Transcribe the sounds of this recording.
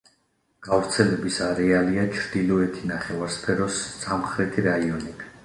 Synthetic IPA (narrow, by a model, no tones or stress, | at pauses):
ɡ̥avɾt̪sʰɛlɛbisaɾɛaliat͡ʃʰɾd̪ilɔɛt̪ʰinaχɛvaɾspʰɛɾɔsːamχɾɛt̪ʰiɾaiɔni